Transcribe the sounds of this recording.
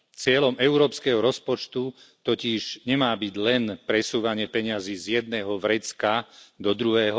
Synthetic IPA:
t͡sɪɛlɔmɛʊɾɔːpskɛɦɔɾɔspɔt͡ʃt̪ut̪ɔciʒ̥ɲɛmaːbiɟlɛnpɾɛsuːʋaɲɪɛpɛɲɪaziːzjɛd̪̚nɛːɦɔʋɾɛt͡skad̪ɔd̪ɾuɦɛːɦɔ

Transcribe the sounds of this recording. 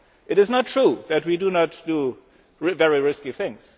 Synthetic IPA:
ʔɨɾɨznətʰɹ̥uðɨt̚widunətd̥u | ɹvɛɹiɹɪskiθɪ̃ŋz̥

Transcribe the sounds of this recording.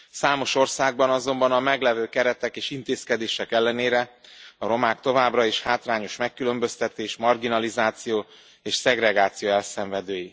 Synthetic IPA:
saːmo̞ʃo̞rsaːɡ̚bɒnɒzo̞mbɒnɒmɛɡlɛvøːkɛɾɛt̪ɛkeːʃint̪eːskɛd̪eːʃɛkɛlːɛneːɾɛɒɾo̞maːkt̪o̞vaːbrɒeːʃhaːt̪raːɲo̞ʃmɛkːylø̞mbø̞st̪ɛt̪eːʃmɒrɡinɒlizaːt̪sijoː | eːʃsɛɡrɛɡaːt̪sijoːɛlsɛɱvɛd̪øːji

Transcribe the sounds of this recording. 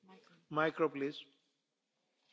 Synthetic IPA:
majkɾoplis

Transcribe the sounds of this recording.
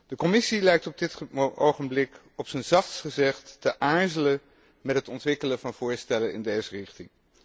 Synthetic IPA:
d̥əkɔmɪsilɛjk̚tɔb̚dɪtowχəmblɪk | ɔpsənzɑχtsχəzɛχtːəʔaːɹzələn | mɛtɦətɔntʋɪkələvɑnv̥ʊːɹstɛlənɪ̰ndejzərɪχtɪŋ

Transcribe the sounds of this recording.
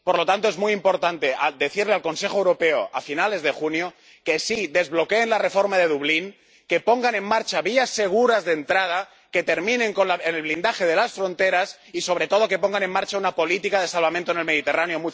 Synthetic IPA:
po̞ɾlo̞t̪ant̪oe̞zmujimpo̞ɾt̪ant̪e̞ad̪e̞θiɾlealko̞nse̞xo̞ewɾo̞pe̞oʔafinale̞zðe̞xunjo | ke̞siðe̞zβlo̞keːnlare̞fo̞ɾmaðe̞ðuβliŋ | ke̞po̞ŋɡanẽ̞mmaɾt͡ʃaβiasːe̞ɣ̞uɾazðent̪ɾað̞a | ke̞t̪e̞ɾmĩneŋko̞nlaenelβlind̪axe̞ð̞e̞lasfɾo̞nt̪e̞ɾas | iso̞β̞ɾe̞t̪o̞ð̞o̞ke̞po̞ŋɡane̞maɾt͡ʃaunapo̞lit̪ikaðesalβament̪oenelmeð̞it̪e̞ranjo̞mu

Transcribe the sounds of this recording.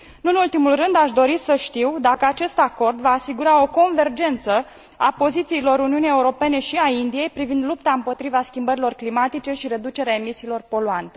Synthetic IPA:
ɨnult̪imulrɨnd̪aʃd̪o̞ɾisəʃt̪iwd̪akəat͡ʃe̞st̪ako̞rd̪vaːsiɡuɾao̞ko̞nve̞rd͡ʒe̞nt̪sə | apo̞zit̪siːlo̞ɾuniunijeuɾo̞pe̞ne̞ʃiaind̪ije̞jpɾivind̪lupt̪aɨmpo̞t̪ɾivaskʲimbəɾilo̞rklimat̪it͡ʃe̞ʃiɾe̞d̪ut͡ʃeɾeaemisiːlo̞rpo̞luant̪e̞

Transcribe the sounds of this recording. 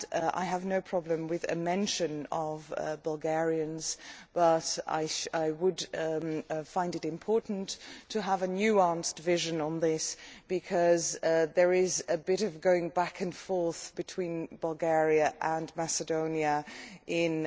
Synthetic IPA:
ʔa̰ɪəvnoʊpʰɹ̥ɑblɨ̃mwɪðɨ̰mɛ̃nʃɨ̃nʌvbʌlˠɡɛɹiɨ̃nz̥b̥ʌɾa̰ɪʃaɪwəd | fãɪ̃ndɨɾɨ̃mpʰɔɹʔn̩tʰɨːvɨnjʉɑ̃nstvɪʒɨ̃nə̃nðɪsb̥ɨkʰʌzðə˞ɪzɨbɪɾʌvɡoʊɪ̃ŋbækɨ̃nfɔɹθb̥ɨtʰw̥ĩnbʌlˠɡɛɹiɨʔə̃nmæsɨdõʊ̃njɨʔɪ̃n

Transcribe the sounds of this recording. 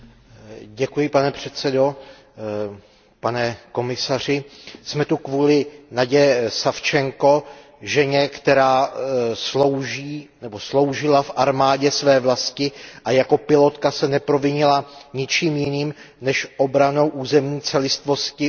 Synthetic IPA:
ɟɛkujɪpanɛpr̝̥ɛt̪sɛdo̞ | panɛko̞mɪsar̝ɪsmɛt̪ukvuːlɪnaɟɛsaft͡ʃɛŋko̞ | ʒɛɲɛkt̪ɛɾaːslo̞wʒiːnɛbo̞slo̞wʒɪlafʔaɾmaːɟɛsvɛːvlascɪʔajako̞pɪlo̞t̪kasɛnɛpɾo̞vɪɲɪlaɲɪt͡ʃiːmjɪniːm | nɛʃʔo̞bɾano̞wʔuːzɛmɲiːt͡sɛlɪst̪vo̞scɪ

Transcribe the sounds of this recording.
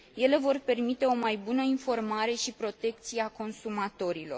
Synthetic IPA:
je̞le̞vo̞rpe̞rmit̪e̞o̞majbunəinfo̞rmaɾe̞ʃipɾo̞t̪e̞k̚t̪sieako̞nsumat̪o̞ɾilo̞̰r

